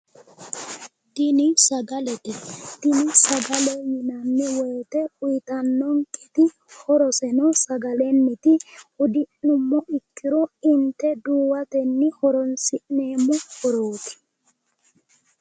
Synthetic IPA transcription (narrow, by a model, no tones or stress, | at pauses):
d̪ɪnɪsɐɡɐlɛt̪ɛd̪̥ɪnɪsɐɡɐlɛmɪnɐnːɪwɔjt̪ɛʊjt̪ɐnːɔŋkʼɛt̪ɪ | hɔɾɔsɛnɔsɐɡɐlɛnːɪt̪ɪhʊd̪ɪʔnʊmːɔɪkːɪɾɔɪnt̪ɛd̪uːwɐt̪ɛnːɪhɔɾɔnsɪʔneːmʊhɔɾoːt̪ʰɪ̥